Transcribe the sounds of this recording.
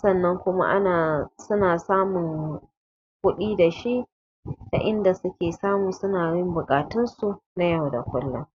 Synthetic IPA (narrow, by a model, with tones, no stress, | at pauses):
sɐ˦˨nːɐ˦ŋkʷʊ˦ma̰˦ʔa˦naː˨sʊ˦naː˨saː˦mʊ˨ŋ | kʷʊ˦ɗiː˦da˨ʃi˦ʔ | ta̰˨ʔɪ˦nda˨sʊ˦kʲeː˨saː˦muː˨sʊ˦naː˨jɪ˦mbʊ˨kʼaː˨tʊ˦nsu˨na˦ja˦˨wda̰˨kʷʊ˦lːʊ˦